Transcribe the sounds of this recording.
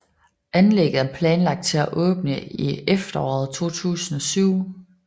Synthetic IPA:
ʔænleɡ̥ð̩ˠæɐpʰlɛːnlɑ̈ɡ̥̚d̥̚t͡sʰe̝læʔɔ̽ːb̥nəiefd̥ɐɒ̰ːð̩ˠt͡sʰo̝̰ːt͡sʰṵːsn̩ɒ̽syʊ̰

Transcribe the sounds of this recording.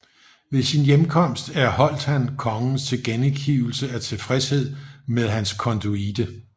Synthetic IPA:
ʋe̝sinjemkʰɒ̽m̰sd̥æɐhɒ̽l̰d̥hænkʰɒ̽ŋn̩st͡sʰe̝ɡ̥enekʰiʊ̰l̩səæt͡sʰe̝fʁɛshe̝ð̞̰ˠmeðˠɦænskʰɒ̽nd̥uid̥ə

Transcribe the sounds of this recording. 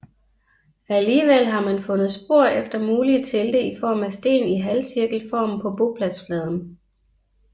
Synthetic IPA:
æliːʋel̰ɦɑ̈mænfɔ̽nð̩ˠsb̥o̝ɐ̰efd̥ɐmuːlit͡sʰe̝ld̥e̝ifɒ̰ːmæsd̥e̝̰ːniɦælsiɐɡ̥l̩fɒ̰ːm̩pʰɒ̽b̥o̝pʰlæsflɛːð̞ˠn̩

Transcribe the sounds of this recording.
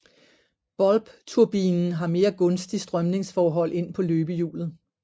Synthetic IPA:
b̥ɒ̽lb̥t͡sʰuɐb̥iːnn̩ɦɑ̈me̝ːɐɡ̥ɔ̽nsd̥isd̥ʁɶmne̝ŋsfɒːɦɒ̽l̰ʔe̝n̰pʰɒ̽løːb̥əjṵːlð̩ˠ

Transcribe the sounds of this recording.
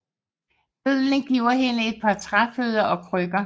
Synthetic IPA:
b̥øð̰ˠnəɡ̥iʊ̰ɐɦenəe̝d̥̚pʰɑ̈t͡sʰʁɑføːðˠɐʔɒ̽pʰʁøɡ̥ɐ

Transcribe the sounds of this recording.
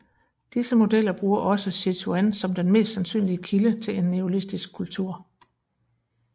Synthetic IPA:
d̥isəmo̝d̥el̰ɐb̥ʁuːɐʔɒ̽səsit͡sʰuænsɒ̽md̥enme̝̰ːsd̥sænsy̰ːnliəkʰilət͡sʰe̝le̝nːeolisd̥isɡ̥̚kʰːult͡sʰuɐ̰

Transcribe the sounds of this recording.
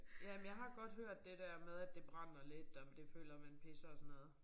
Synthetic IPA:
jæmnjɑ̈ɪɦɑ̈ɡ̥ɒ̽d̥høɐ̰d̥ːe̝d̥æɐ̰með̞ˠæd̥e̝b̥ʁɑ̈n̰ɐled̥ɒmd̥e̝fø̰ːlɐmænpʰe̝sɐɒsɔnːɔːð̞ˠ

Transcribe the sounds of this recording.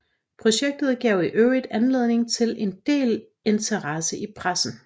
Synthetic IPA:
pʰʁo̝ɕeɡ̥̚d̥ð̩ˠɡ̥ɛʊ̰iʔøʊid̥ænle̝ð̞ˠne̝ŋt͡sʰe̝le̝nd̥e̝̰ːl | e̝nt͡sʰɐʁɑsəʔipʰʁasn̩

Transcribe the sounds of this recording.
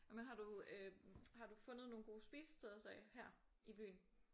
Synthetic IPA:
menɦɑ̈duøhɑ̈d̥ufɔ̽nəð̩ˠno̝ːnɡ̥o̝̰ːsb̥iːsə̥sd̥ʰeðˠɐsɛɪhæɐ̰ | ʔib̥y̰ːn̩

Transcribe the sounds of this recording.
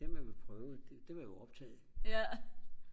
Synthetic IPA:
d̥emæʋelpʰʁœːʊd̥ed̥e̝ʋɑ̈joɒ̽b̥̚t͡sʰɛ̰ːð̩ˠ

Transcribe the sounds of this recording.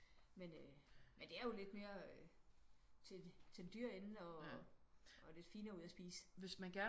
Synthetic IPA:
menømend̥e̝æɐjo̝le̝d̥me̝ːɐø | t͡sʰe̝t͡sʰe̝ld̥yɐ̰e̝nn̩ɒ̽ | ɒ̽le̝d̥fiːnɐuðˠɐsb̥iːsə̥ʋe̝smænɡ̥æɐ

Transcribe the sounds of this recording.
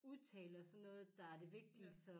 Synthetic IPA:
uðˠt͡sʰɛ̰ːlɐsɒ̽nːɔ̽ːð̞̩ˠd̥ɑ̈æɐd̥e̝ʋe̝ɡ̥̚d̥isɒ̽

